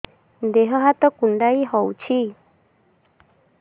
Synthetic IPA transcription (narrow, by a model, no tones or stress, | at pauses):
nd̪eɦɔɦat̪ɔkuɳɖaiɦɔwt͡ʃʰi